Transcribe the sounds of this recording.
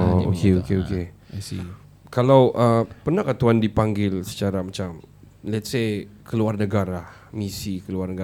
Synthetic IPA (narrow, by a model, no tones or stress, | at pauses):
o̰keokeoke | ḭ | kalawʔəpərnahkat̪uɦandipaŋɡɪlsə̥t͡ʃaɾamat͡ʃam | lɛt̪sekʰəluarnəɡaɾa | misikəluarnəɡa